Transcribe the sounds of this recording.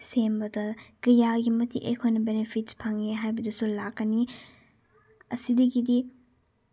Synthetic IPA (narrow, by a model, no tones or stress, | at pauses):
sembɐdɐkɐjaɡimɐtḭʔḛkʰojnɐbenepʰitspʰaŋeɦajbɐdusulakːɐni | ɐsidɐɡidi